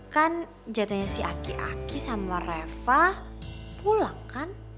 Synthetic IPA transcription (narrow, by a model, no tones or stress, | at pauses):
kan | d͡ʒat̪oɲasiakiʔa̰kisamarefahpulakan